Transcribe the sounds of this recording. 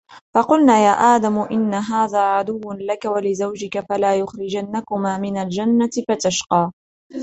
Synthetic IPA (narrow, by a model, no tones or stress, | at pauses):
fɑqʊlnaːjaːʔaːd̪amʊʔɪnːaɦaːðaːʕad̪ʊwːlakawalɪzawd͡ʒɪkafalaːjʊxɾɪd͡ʒanːakʊmaːmɪnald͡ʒanːat̪ɪfat̪aʃqɑː